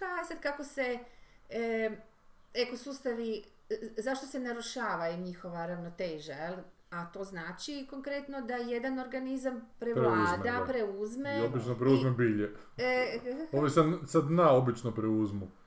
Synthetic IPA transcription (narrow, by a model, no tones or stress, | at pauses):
aisad̪kako̞se̞ | ekosust̪aʋi | zaʃt̪o̞se̞naɾuʃaːʋaiɲixo̞ʋaɾaʋnot̪eːʒajel | at̪o̞ːznaːt͡ʃiko̞ŋkɾet̪no̞d̪ajed̪ano̞ɾɡanizampɾeʋɾeauzmed̪apɾeuzmeobit͡ʃnopɾeuzmebiːʎe | oʋisamsad̪naobit͡ʃnopɾeuzmu